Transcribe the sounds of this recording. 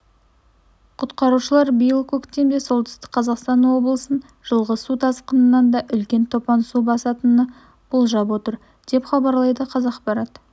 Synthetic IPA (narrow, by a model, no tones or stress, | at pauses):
qʰʊt̪qɑɾuʃəlˠɑɾbijəlˠkʲʰɵkt̪emd̪e̞so̞lˠt̪ʏ̥st̪ɪ̥kqʰɑzɑqst̪ɑnwo̞blˠəsən | ʒ̥əlˠʁəsut̪ʰɑsqənənːɑnd̪ɑʔʏlkʲe̞nt̪ʰo̞pɑnsubɑsɑt̪ənə | b̥ʊlˠʒɑpwo̞t̪əɾ | d̪̥e̞pχɑbɑɾlˠɑjd̪əqʰɑzɑqpɑɾɑt̪